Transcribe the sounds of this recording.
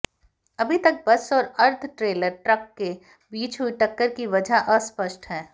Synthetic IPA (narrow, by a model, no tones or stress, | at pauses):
ɐbʱit̪ɐk̚bɐsɔːɾɐɾt̪ʰʈɾeːləɾʈɾɐkːe | biːt͡ʃɦuiʈɐkːəɾkiʋɐd͡ʒʱaʔɔspəʃʈɦɛː